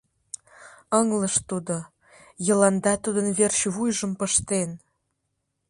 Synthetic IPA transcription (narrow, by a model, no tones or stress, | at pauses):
əŋləʃt̪ud̪o | jə̆lɑnd̪ɑt̪ud̪ənβerɕβujʒə̆mpəʃt̪en